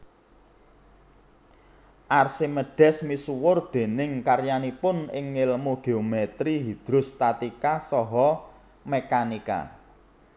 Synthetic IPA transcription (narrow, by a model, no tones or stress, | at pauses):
ʔarsiməɖ̥ɛ̤smisuwʊrd̪̥e̤nɪŋkarjanipʊnɪŋɪlmoɡ̥eomɛt̪ɾiɦid̪̥ɾʊ̤st̪at̪ikasɔɦɔ | mekanika̰